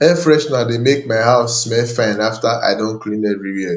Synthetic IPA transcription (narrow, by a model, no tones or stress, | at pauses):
ɛfɹɛʃnademek̚maɪɦaʊsmɛlfãɪ̃naftaʔa̰ɪdõnkʰlĩnɛɹiɹiɛ